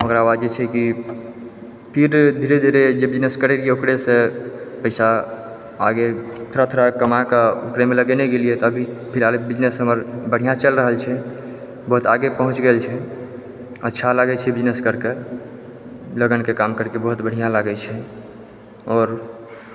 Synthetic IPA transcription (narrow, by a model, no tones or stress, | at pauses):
okɾaːwad͡ʒet͡ʃʰɛki | pʰiɾd̪ʱiɾed̪ʱiɾed͡ʒebid͡ʒneskəɾeɾieokɽesepəɪsa | aɡet̪ʰoɾat̪ʰoɾakəmakaokɾemeləɡɛneɡeliet̪ɔəbʱipʰiɾalebid͡ʒnesɦəməɾbəɽ̤ijãt͡ʃəlɾəɦəlt͡ʃʰɛ | bəɦut̪aɡepəɦũt͡ʃɡɛlt͡ʃʰɛ | ətːʃʰalaɡɛt͡ʃʰɛbid͡ʒneskəɾke | ləɡənkekamkəɾkebəɦut̪bəɽ̤ijãlaɡɛt͡ʃʰɛ | ɔːɾ